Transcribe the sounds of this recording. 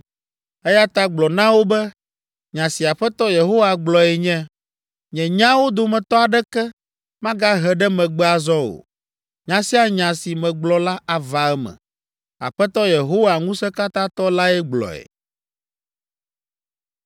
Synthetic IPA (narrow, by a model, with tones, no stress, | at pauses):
ɛ˦ja˦t̪a˦ɡ͡blɔ˨nã˦wo˦bɛ˦ | ɲã˨si˨a˨ɸɛ˦t̪ɔ˦je˨ɦo˦wa˨ɡ͡blɔ˨ɛ˨ɲɛ̃˦ | ɲɛ̃˨ɲã˦wo˦d̪o˨mɛ̃˨t̪ɔ˦a˨ɖɛ˦kɛ˦ | mã˦ɡa˦ɦɛ˨ɖɛ˦mɛ̃˨ɡ͡bɛ˦a˨zɔ˦o̰˨ | ɲã˨si˦a˦ɲã˨si˨mɛ̃˨ɡ͡blɔ˨la˦a˨va˨ɛ˦mɛ̰̃˨ | a̰˨ɸɛ˦t̪ɔ˦je˨ɦo˦wa˨ŋũ˦sɛ˦ka˦t̪ã˦t̪ɔ˦la˦ɛ˦ɡ͡blɔ̰˨ɛ̰˨